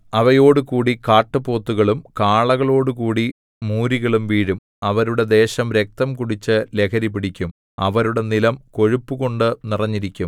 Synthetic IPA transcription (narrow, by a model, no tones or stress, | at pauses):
ɐʋɐjo̞ːɽukuːɽikaːʈːɨpo̞ːt̪ːuɣɐɭumkaːɭɐɣɐɭo̞ːɽukuːɽi | muːɾiɣɐɭumʋiːɻum | ɐʋɐɾuɽe̞d̪e̞ːɕɐmɾe̞k̚t̪ɐmkuɽit͡ɕːɨle̞kʰɐɾipiɽikʲːum | ɐʋɐɾuɽe̞nilɐmko̞ɻupːuɣo̞ɳɖɨnirɐɲːiɾikʲːum